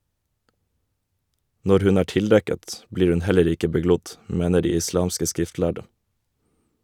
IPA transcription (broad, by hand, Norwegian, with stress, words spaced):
ˈnɔɾ ˈhʉn ˈæː ˈʈɪlˌdɛkət ˈbliːɾ ˈʉn ˈhɛləɾ ˈɪkə bəˈɡlʊd ˈmeːnə ˈɖiː ɪˈslɑːmskə ˈskɾɪftˌlæɖə